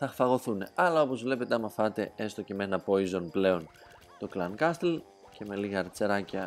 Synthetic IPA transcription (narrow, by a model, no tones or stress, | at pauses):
θɐxfɐɣo̞θune̞ɐlɐo̞po̞zvle̞pe̞t̪eɐmɐfɐt̪e̞est̪o̞cemenɐpo̞izo̞nple̞o̞n | t̪o̞klɐŋkɐst̪el | ce̞me̞liɣɐːɾt͡se̞ɾɐcɐ